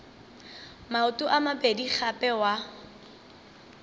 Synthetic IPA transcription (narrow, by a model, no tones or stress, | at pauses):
maʊtʼʊʔamabedik͡xʰapʼɛwa